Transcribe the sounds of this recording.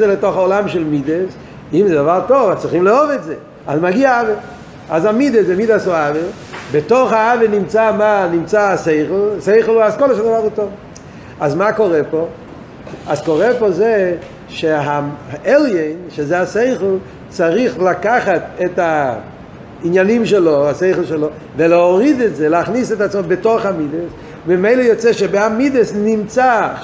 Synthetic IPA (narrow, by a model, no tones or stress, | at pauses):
zeletoχaolamʃɛlˠmides | imzedavaʁtovat͡sɪχimleɔvɛtze | azmaɡiaave | azamid̪esemidasoave | bɪtoχaavenimt͡samanimt͡saseɪχl̩ˠseɪχl̩ˠuaskɔlaʃadavaʁutov | azmakoʁɛpo | azkoʁɛpoze | ʃeɦaɛlˠjeɪnʃezeaseɪχl̩ˠ | t͡saʁiχlakaχat̪ɛta | injanimʃ̬ɛloaseɪχl̩ˠʃɛlo | veleoʁid̪ɛtzɛlaχnisɛtat͡smobetoχamides | mɪmeɪləjot͡sɛʃɛbeamid̪əsnimt͡sa